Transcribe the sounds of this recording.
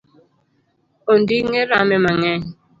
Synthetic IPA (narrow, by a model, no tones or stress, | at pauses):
on̩diŋeɾamemaŋeɲ